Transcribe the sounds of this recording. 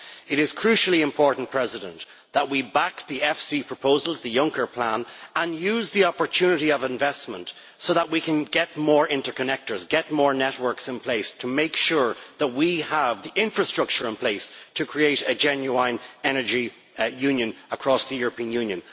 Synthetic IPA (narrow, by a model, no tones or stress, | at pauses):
ɪɾɪz̥kʰɹ̥ʉʃl̩ˠiɪ̃mpʰɔɹʔn̩pʰɹ̥ɛzɪɾə̰̃nt | ðət̚wibak̚ðiɛfsipʰɹ̥əpʰoʊzəlˠzðəjʌ̃ŋkə˞pʰl̥ãnə̃njʉzðiɑpə˞tʰʉnɨɾiʌvɪ̃ɱvɛsmə̃nt | soʊðət̚wikʰə̃nɡɛt̚mɔːɹɪ̃ntə˞kʰənɛk̚tə˞zɡɛt̚mɔɹnɛt̚wɜ˞ksɪ̃npʰl̥eɪstʰəmeɪkʃʊɹðət̚wiəvðiʔɪ̃ɱfɹəstɹ̥ʌk̚t͡ʃə˞ɪ̃npʰl̥eɪstʰɨkʰɹ̥ieɪɾɨd͡ʒɛ̃njuãɪ̃nɛnə˞d͡ʒi | jʉ̃njə̃nəkʰɹ̥ɔsðəjʊɹəpĩə̃njʉ̃njə̃n